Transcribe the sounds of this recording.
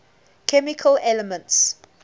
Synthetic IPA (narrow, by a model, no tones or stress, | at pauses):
kʰɛmikʰəlɛləmə̃nts